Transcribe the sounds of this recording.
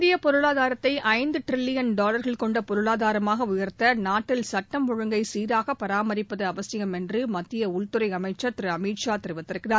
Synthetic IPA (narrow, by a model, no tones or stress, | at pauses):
ðɪjɐpɔɾɯɭaːðaːɾɐt̪ːɐɪʔɐɪnd̪ɯʈɪɾɪlːɪjɐnɖaːlɐɾɣɐɭkɔɳɖɐpɔɾɯɭaːðaːɾɐmaːɣɐʊjɐɾt̪ɐnaːʈːɪlsɐʈːɐmʋɔɻɯŋɡɐɪsiːɾaːɣɐpːɐɾaːmɐɾɪpːɐðɐɐʋɐsɪjɐmɛndrɯmɐt̪ːɪjɐʊɭt̪ɯɾɐɪɐmɐɪt͡ʃːɐt̪ɪɾɯɐmiːʈʂaːt̪ɪɾɯʋɐt̪ːɪɾɯkːɪnaː